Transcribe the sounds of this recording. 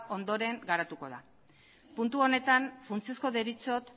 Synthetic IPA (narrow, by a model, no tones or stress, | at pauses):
ʔo̞nd̪o̞ɾe̞ŋɡaɾat̪uko̞ð̞a̰ | punt̪uo̞ne̞t̪anfunt͡siosko̞ðeɾit͡so̞t̪